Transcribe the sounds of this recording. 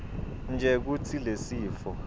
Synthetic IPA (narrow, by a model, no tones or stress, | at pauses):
nd͡ʒʱɛk̬utʰilesiːfɔ